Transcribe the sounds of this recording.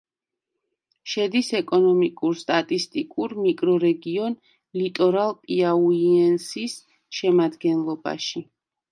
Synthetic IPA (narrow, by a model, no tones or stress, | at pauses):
ʃɛd̪isɛkʼɔnɔmikʼuɾst̪ʼat̪ʼist̪ʼikʼuɾmikʼɾɔɾɛɡiɔn | lit̪ʼɔɾalˠpʼiauiɛnsis | ʃɛmad̪ɡɛnlˠɔba̰ʃi